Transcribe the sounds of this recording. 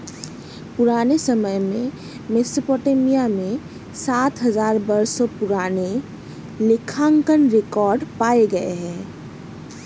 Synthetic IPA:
pʊɾaːnesəməjmẽ | mesopoʈemijamẽ | saːt̪ɦəzaːɾbəɾsopʊɾaːne | lɪkʰaŋkənɾekɔːɾɖpaːeɡɐeɦɛ̃ː

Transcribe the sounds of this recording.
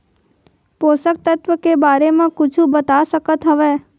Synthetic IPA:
posək̚t̪ət̪ʋəkebaɾemãkʊt͡ʃʰũbət̪aʃəkət̪ɦəʋe

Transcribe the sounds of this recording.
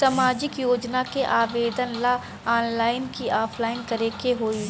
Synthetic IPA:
samaːd͡ʒɪkjoːd͡ʒnakeʔaːʋeːd̪ənla | aːnlaːɪnkiaːpʰlaːɪnkɐɾekeɦoːi

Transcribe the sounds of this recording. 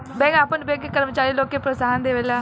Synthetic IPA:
beːɡaːpənbeːɡkəɾmət͡ʃaːɾiːloːkeːpɾəsaːənd̪eːʋelaː

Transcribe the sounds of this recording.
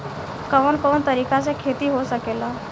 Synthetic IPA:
kəʋənkont̪əɾikat͡sekʰet̪iːɦosəkela

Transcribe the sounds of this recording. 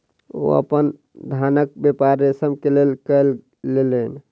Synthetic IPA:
o̰ə̰pən | d̪ʱanək̚bepaɾːesəbkelelkəlː | elən

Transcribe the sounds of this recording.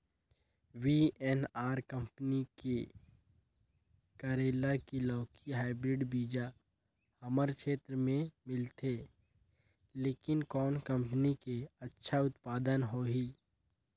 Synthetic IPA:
wiːɛnaːɾkɐ̃mpnike | kəɾeːlakilɔːkiɦaːɪbɾɪɖbiːd͡ʒa | hɐməɾkʃeːt̪ɾəmẽmɪlt̪ʰeː | leːkɪnkɔːnkɐ̃mpənikeɐtːʃʰaʊt̪paːd̪ənɦoɦiː

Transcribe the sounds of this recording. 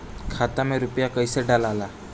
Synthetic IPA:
kʰat̪ameɾupjakəjseɖalala

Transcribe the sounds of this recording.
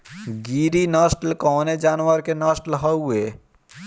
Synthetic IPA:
ɡiːɾinaːsʈəlkɔːned͡ʒaːnʋəɾkenaːsʈəlɦəue

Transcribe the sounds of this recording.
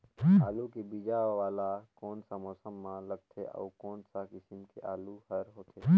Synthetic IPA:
aːlukebid͡ʒaːʋaːlakoːnsamɔːsəmːãləɡt̪ʰeʔə̰ːkoːnsakɪsɪmkeʔaːluhəɾɦoːt̪ʰeː

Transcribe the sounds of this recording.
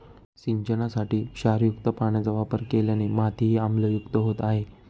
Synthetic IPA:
siɲt͡ɕənasaʈiːɕaɾjukt̪əpaɳ̃ad͡zəʋapəɾkeljanemat̪ʰiɦiamləjukt̪əɦot̪aɦe

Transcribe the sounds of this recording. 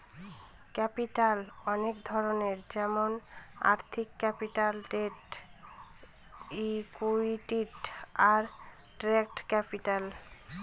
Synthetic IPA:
kɛpiʈalɔnekd̪ʱɔɾoneɾd͡ʑɛmona̰ɾt̪ʰikːɛpiʈalʈeʈ | ikuiʈiʈaɾ | ʈɾek̚ʈkɛpiʈal

